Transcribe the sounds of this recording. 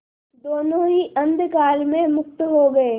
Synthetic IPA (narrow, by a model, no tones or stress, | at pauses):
d̪oːnõɦiʔɐ̃nd̪ʱkaːlmẽmʊk̚t̪ɦoɡɐeː